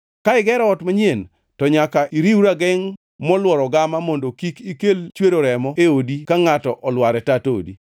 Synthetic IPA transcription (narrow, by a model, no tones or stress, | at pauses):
kaɪɡɛɾɔɔtmaɲjen | tɔɲakaʔiɾiwuɾaɡɛŋ | mɔlwɔɾɔɡamamondokikikelt͡ʃweɾoɾɛmɔeodikaŋatɔʔɔlwaɾɛtatoo̰dḭ